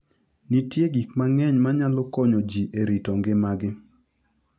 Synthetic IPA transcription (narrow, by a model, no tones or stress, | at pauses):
nitjeɡikmaŋɛɲmaɲalɔkɔɲod͡ʒiʔeɾitɔŋɡɪmaɡɪ